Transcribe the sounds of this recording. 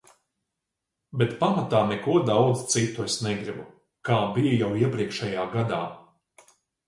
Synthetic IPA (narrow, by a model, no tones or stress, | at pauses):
bet̪pamat̪aːnɛkuɔd̪awd̪zt̪sit̪ːuesnɛɡɾibu | kaːbijajawiɛpɾiɛkʃɛjaːɡad̪aː